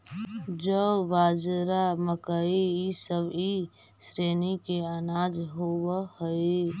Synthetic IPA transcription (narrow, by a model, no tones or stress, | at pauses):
d͡ʒəʋaːd͡ʒɾaməkəiisəbi | sɾeːnikeənaːd͡ʒɦowahəi